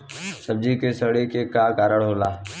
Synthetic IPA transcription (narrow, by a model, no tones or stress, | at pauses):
səb̚d͡ʒikesəɽekekakaːɾəɽɦoːlaː